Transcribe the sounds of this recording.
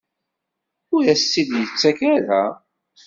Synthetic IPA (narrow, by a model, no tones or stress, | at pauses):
ʊɾæsːiðjət͡sːækæɾæ